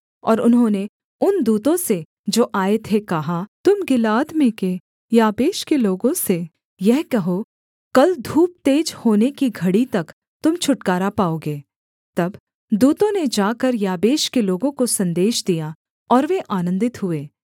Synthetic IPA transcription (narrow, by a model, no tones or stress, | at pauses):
ɔ̰ːɾʊnɦõne | ʊnd̪uːt̪õse | d͡ʒoːʔaːet̪ʰekɐɦat̪ʊmɡɪlaːd̪mẽke | jaːbeːʃkeloːɡõse | jɛɦkɐɦo | kɐld̪ʱuːp̚t̪eːd͡ʒhoːnekiɡʱɐɽit̪ɐk | t̪ʊmt͡ʃʰʊʈkaːɾapaːoːɡeː | t̪ɐb | d̪uːt̪õned͡ʒaːkɐɾjaːbeːʃkeloːɡõkosɐ̃nd̪eːʃd̪ija | ɔːɾʋeʔaːnə̃nd̪ɪt̪ɦʊeː